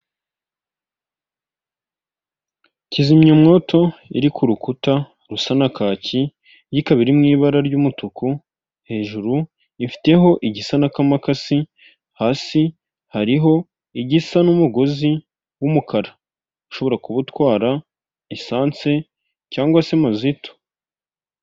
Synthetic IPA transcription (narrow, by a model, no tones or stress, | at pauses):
cizimɲomŋo̞ːtʰo̞ḭɾikuɾukuta | ɾusanakaːci | jikaβiɾimŋiːβaɾaɾɟuːmutuku | he̞ːʒuɾu | ifi̥te̞ɦo̞ʔiɟisanakamakasi | haːsi | haɾiɦo̞ | iɟisanumuɡo̞zi | wumukʰaɾḁ | iʃo̞βo̞ɾakuβutwaːɾa | isaːnt͡se̞ | caːŋɡwasemazito̥